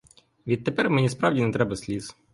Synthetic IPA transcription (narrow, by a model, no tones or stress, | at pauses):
ʋʲit̪̚ːɛpɛɾmɛnʲispɾɑwdʲinɛt̪ɾɛbɐsʲlʲiz̥